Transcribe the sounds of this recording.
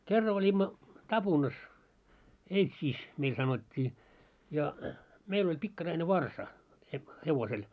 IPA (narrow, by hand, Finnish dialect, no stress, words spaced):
kerːɑ olʲimːɑ tɑb̥unɑs eitsiːs meil sɑnotʲːiː jɑ meil olʲ pikːɑrɑine ʋɑrsɑ he heʋosel